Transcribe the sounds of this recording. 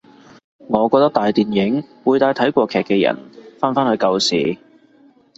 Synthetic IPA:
ŋɔː˨˧kɔː˧k̚t̪ɐ˥k̚t̪aː˨jt̪iː˨njɪ˨˥ŋwuː˨˧jt̪aː˧jt̪ʰɐ˨˥jkʷɔː˧kʰɛː˨˩kːɛː˧jɐ̰˨˩nfaː˥nfaː˥nhɵ˨˧kɐ˧wsḭː˨

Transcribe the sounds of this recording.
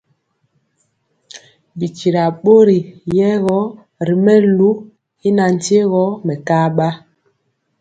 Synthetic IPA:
bi˨t͡ʃi˨ɾa˨ɓo˦ɾi˨jɛ˦ɣɔ˦ | ɾi˨mɛ˦lu˦ | i˦na˨n̩˨te˦ɣɔ˦mɛ˨kaː˦ɓa˦

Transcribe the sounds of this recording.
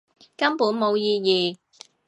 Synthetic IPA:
kɐ˥mpuː˨˥nmo˨˧wjiː˧jiː˨˩

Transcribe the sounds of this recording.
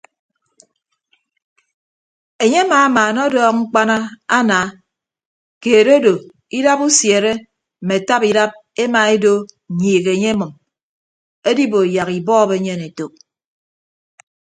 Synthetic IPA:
e˨ɲe˦a˦maː˨˦maː˨nɔ˦dɔː˦kŋ͡m̩˦k͡pa˦na˦a˦naː˨˦ | keː˨ɾo˦do˨ | i˦da˦pu˦sje˨ɾe˦ | m̩˨me˨ta˦pi˨da˦p̚e˦ma˨e˦do˦˨ | ɲiː˨ɣe˨ɲe˦e˦mɨ˨m | e˦di˦bo˨ja˨ɣi˨bɔː˦be˨˦ɲe˦˨ne˨to˨

